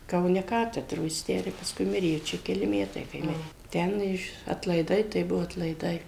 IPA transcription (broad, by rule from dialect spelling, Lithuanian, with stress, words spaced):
kɐʊˈnʲɛ ˈkɑːtʲɛdroː jɪs ˈtʲæː ɪr pɐsˈkʊɪ ˈmʲɪrʲeː jɛʊ ˈt͡ʃʲɛ kʲɛˈlʲɪ ˈmʲæːtɐɪ kɐɪ ˈmʲɪrʲeː ˈtʲɛn ɪʃ ɐtlˠɐɪˈdɐɪ tɐɪ ˈbʊʋoː ɐtlˠɐɪˈdɐɪ